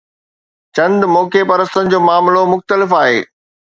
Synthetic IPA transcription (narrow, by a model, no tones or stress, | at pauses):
t͡ɕɐ̃nd̪mɔːkepɐɾəst̪ənɪ̆d͡ʑoːmaːmlomʊxt̪əlɪfaːɦeː